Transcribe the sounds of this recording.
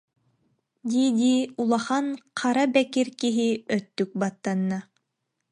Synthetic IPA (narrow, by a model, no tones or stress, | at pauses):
d̪ʲid̪iulˠɑχanqʰɑɾabɛkiɾkiɦiœt̪ːyk̚bat̪ːanːa